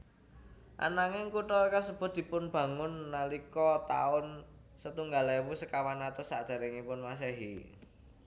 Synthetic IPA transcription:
ʔa̰naŋɪŋkuʈɔkasəb̥ʊ̤t̪̚d̪̥i̤pʊnb̥ä̤ŋʊnːalikɔt̪a̰ʊn | sət̪uŋɡalaiwusəkawanat̪ʊsaʔd̪̥a̤ɾɪŋipʊnmas̬ɛɦi

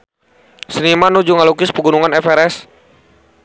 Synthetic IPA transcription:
sənimanud͡ʒuŋalukɪspəɡunuŋanɛfɛɾɛs

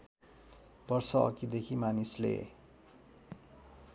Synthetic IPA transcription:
bʌrsʌʌ̰kid̪ekʰimanislḛ

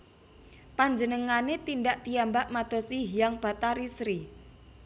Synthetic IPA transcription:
paɲd͡ʒənəŋanet̪indaʔpijambaʔmad̪̥o̤siɦijaŋb̥a̤t̪aɾisɾi

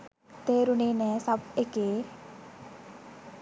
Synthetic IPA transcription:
t̪eːɾuneːnɛːsabekeː

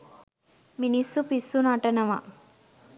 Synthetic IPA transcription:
minisːupisːunɐʈɐnɐʋɐ̰

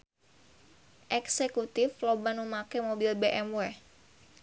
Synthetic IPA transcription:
ʔɛksekut̪ɪflobanmumakemobilbeʔɛmwɛ

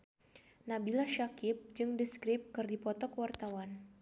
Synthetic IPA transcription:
nabilaʃakɪp̚d͡ʒɨŋdiskɾɪp̚kɨrdipɔt̪ɔkəwart̪awan

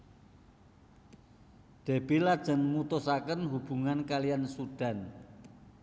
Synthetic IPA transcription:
d̪̥e̤b̥ilad̥ʒ̥ə̤nmut̪usakənɦub̥ṳŋankalijansuɖ̥a̤n

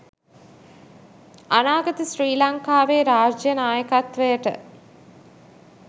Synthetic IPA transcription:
anaːɡɐt̪əsriːlɐŋkaːʋeːɾaːd͡ʒjənaːjəkat̪ʋəjəʈə̰

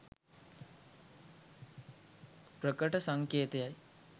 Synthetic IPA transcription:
pɾəkəʈəsaŋkeːt̪ejaj

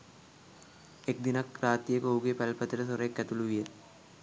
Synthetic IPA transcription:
ek̚d̪inɐkɾaːt̪ijekɦoɡepɛlpət̪ɾəs̬oɾeːkːɛt̪uluʋije

